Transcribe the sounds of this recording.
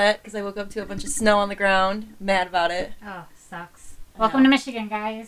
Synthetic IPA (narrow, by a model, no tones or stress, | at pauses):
ɨt̚kʰʌzaɪwʊlˠkʌp̚tʰɨəbʌ̃nt͡ʃʌv̥snoʊə̃nðɨɡɹãʊ̃ndmæɾəbaʊɾɪt̚oʊsʌkswɛlˠkmtʰɨmɪʃɨɡɨ̃nɡaɪz̥